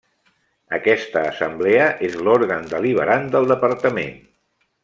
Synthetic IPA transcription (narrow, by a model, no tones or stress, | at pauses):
əkɛst̪əːsəmbleəʔezloɾɣənd̪əliβ̞əɾand̪əlˠd̪əpəɾt̪əmḛn